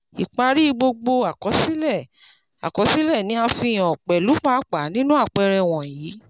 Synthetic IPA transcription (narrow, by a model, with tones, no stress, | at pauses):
i˨k͡pa˧ɾi˦˧ɡ͡bo˧ɡ͡bo˧a˨kɔ˨˦si˦lɛ˦˨ | a̰˨kɔ˨˦si˦lɛ˦˨nĩ˨˦a˧fĩ˧˨j̃ɔ̃˨k͡pɛ˨lu˨˦k͡pa˦k͡pa˨˦nĩ˦nũ˦a˦˨k͡pɛ˧ɾɛ˧w̃ɔ̃˨jiː˨˦